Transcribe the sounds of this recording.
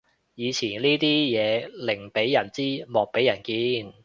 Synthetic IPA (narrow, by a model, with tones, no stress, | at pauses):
jiː˨˧t͡sʰiː˨˩nliː˥t̪iː˥jɛː˨˧lɪ˨˩ŋpe˨˥jːɐ˨˩nt͡siː˥mɔː˨˩k̚pe˨˥jɐ˨˩nkiː˧n